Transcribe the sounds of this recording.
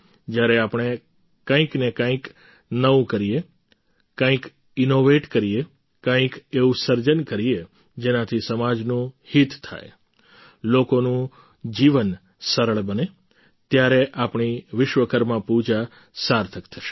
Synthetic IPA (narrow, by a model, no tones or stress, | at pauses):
d͡ʒjaɾeapɳ̃e | kãĩknekãĩk | nəũkəɾije | kãĩk | ɪnoʋeʈkəɾie | kãĩkeʋũsəɾd͡ʒənkəɾie | d͡ʒenãt̪ʰisəmad͡ʒnũhit̪t̪ʰa̰j | lokonũ | d͡ʒiʋən | səɾəɭbəne | t̪jaɾeʔapɳiʋɪʃʋəkəɾmãpud͡ʒa | saɾt̪ʰəkt̪ʰəʃe̥